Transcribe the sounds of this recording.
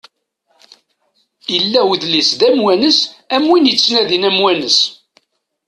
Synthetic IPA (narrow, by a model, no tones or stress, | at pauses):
ilːæwðlisd̪æmwænəsæmwinjət͡sːnæðinæmwænəs